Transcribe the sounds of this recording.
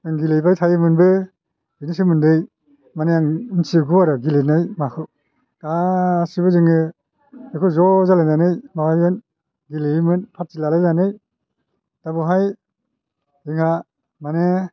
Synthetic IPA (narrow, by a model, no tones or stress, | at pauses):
ɯŋɡilejbajtʰajɯmɯnbɯ | binisɯmɯndɯj | maneaŋnsiɡuaɾɯɡilenajmakʰɯ | dasibɯziŋɯ | ekʰɯzɔzalananɯjmawajbɯn | ɡilemɯnpʰat̚silalazanɯj | d̥abɯɦaj | iŋha | mane